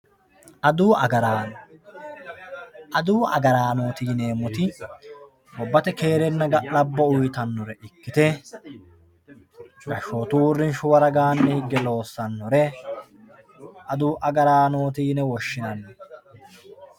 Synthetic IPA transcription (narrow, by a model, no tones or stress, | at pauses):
ʔɐd̪uːʔɐɡɐɾaːnɔ | ʔɐd̪uːɐ̰ɡɐɾaːno̞ːt̪iːneːmʊt̪ɪ | wɔbːɐt̪ɛke̞ːɾɛnːɐɡɐlɐbːɔʊjt̪ɐnːɔɾɛʔɪkːɪt̪ɛ | ɡɐʃːo̞ːt̪uwʊrːɪnʃʊwɐɾɐɡaːnːɛhɪɡːɛlo̞ːsːɐnːɔɾɛ | ʔɐd̪uːʔɐɡɐɾaːno̞ːt̪̬iːnɛwɔʃːɪnɐnːɛ